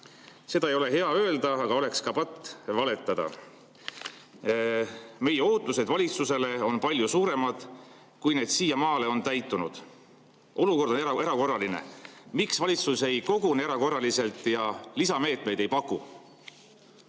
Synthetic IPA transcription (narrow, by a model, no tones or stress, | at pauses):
se̞d̪̥ɑejo̞le̞ɦe̞ɑø̞eld̪ɑɑɡ̥ɑo̞le̞kskɑpɑt̪ːˑvɑle̞t̪ːˑɑd̪̥ɑ̰ | me̞je̞o̞ːt̪ːˑused̪vɑlʲit̪suse̞le̞o̞npɑlʲjusuːɾe̞mɑd̪̥ | kujne̞ːd̪̥siːjɑmɑːle̞o̞nt̪æjt̪ːˑunud̪̥ | ʔo̞luko̞rd̪o̞neɾɑko̞rːɑlinḛmiksvɑlʲit̪suse̞jko̞ɡ̥uneɾɑko̞rːɑlise̞lt̪ˑjɑlisɑme̞ːt̪me̞jd̪e̞jpɑkːˑu